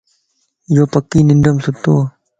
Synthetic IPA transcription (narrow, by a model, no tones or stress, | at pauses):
joːpɐkːiːnɪnɖəmsut̪ːoː